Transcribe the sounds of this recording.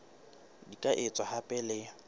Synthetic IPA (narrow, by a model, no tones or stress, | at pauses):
dikʼaʔɪt͡sʼahapʼɛlɪ